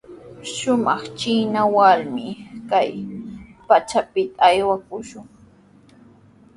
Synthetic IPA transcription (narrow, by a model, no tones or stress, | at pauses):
ʃʊmɑχt͡ʃinawaɾmɪkajpat͡ʃapɪt̪aːjwakʊʃʊŋ